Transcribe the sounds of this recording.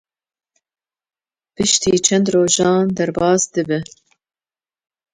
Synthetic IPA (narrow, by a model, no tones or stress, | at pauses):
pɨʃt̪iːt͡ʃʰɛnd̪roːʒɑːnd̪ɛɾbɑːsd̪ɨbɛ